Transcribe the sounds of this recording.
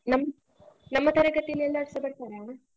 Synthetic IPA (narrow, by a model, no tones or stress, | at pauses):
nɐmːɐ | nɐmːɐt̪ɐɾɐɡɐʈ̪ːilɛlːɐːɽɪsɐpːɐɽɐt̪ːaːɾaː